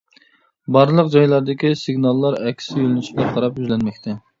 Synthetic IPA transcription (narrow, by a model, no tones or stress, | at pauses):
bɑɾlˠəqd͡ʒɑjlˠɑɾd̪ɪkʲisɨɡnɑlˠːɑɾɛkʲʰːsɪølynyʃɡʲɛqʰɑɾɑpjyzlɛnmɛk̚ʲt̪ʰɛ